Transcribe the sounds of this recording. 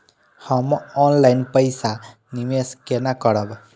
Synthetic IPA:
həmɔnlajnpəjsa | nimeskenakəɾəb

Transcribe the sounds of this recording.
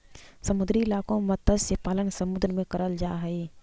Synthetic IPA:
səmʊd̪ɾiɪlaːkõmət̪ːəd͡ʒsepaːlənsəmʊd̪ɾmẽkəɾəld͡ʒaːɦɛi

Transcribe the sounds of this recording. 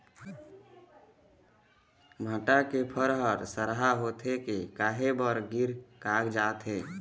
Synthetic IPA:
mʱəʈakepʰəɾɦəɾsəɾɦaɦot̪ʰɦekekaːɦebəɾɡiɾkaːɡd͡ʒaːt̪ɦe

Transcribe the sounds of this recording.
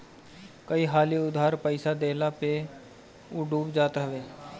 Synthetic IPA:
kəiɦaːliʊd̪ɦaːɾpəɪsad̪eːlape | ʊɖuːpd͡ʒaːt̪ɦəʋeː

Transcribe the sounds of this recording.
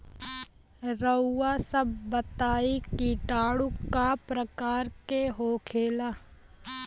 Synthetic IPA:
ɾəːasəbːət̪aːikiʈaːɽukːapɾəkaːɾkeɦoːkʰeːlaː

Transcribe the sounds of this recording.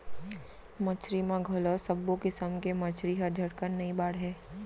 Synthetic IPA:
mɐt͡ʃʰɾimãɡʱoːlosɐbːokɪsəmkemɐt͡ʃʰɾiɦəd͡ʒʱɐɽkənnɐĩbaːɽɦɛː

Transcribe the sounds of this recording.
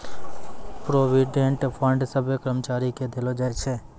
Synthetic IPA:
pɾoːʋiɖeɳʈpʰə̃ɳɖsəbʱjəkəɾəmət͡ʃaːɾiked̪ɪlod͡ʒaet͡ʃʰeː

